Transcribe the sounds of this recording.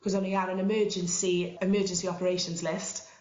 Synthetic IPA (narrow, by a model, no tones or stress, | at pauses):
kʰɔzə̃niaɹə̃nɪmɜːd͡ʒə̃nsiɪmɜːd͡ʒə̃nsiɒpəɹeɪʃə̃nzlɪst